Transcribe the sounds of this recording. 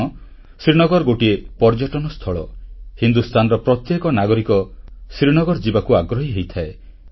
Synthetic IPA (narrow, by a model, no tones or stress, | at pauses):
ɔ | sɾinɔɡɔɾɡoʈiepɔɾd͡ʒɔʈɔnɔst̪ʰɔɭɔhind̪ust̪ʰanɔɾɔpɾɔt̪jekɔnaɡɔɾikɔsɾinɔɡɔɾd͡ʒibakuaɡɾɔɦiɦejt̪ʰae